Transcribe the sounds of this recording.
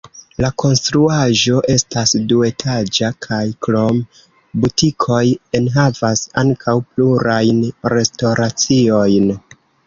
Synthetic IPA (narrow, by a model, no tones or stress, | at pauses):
lakʰo̞nstɾuaʒo̞ʔe̞stasdue̞tʰad͡ʒakʰajkɾo̞m | butikʰo̞je̞nɦavasaŋkʰawpluɾajnɾe̞sto̞ɾat͡sio̞jn